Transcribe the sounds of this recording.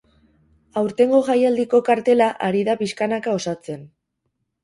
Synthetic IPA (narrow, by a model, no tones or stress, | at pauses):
awɾt̪e̞ŋɡo̞ɣajald̪iko̞kaɾt̪e̞laʔaɾiðapiskanakao̞sat͡se̞n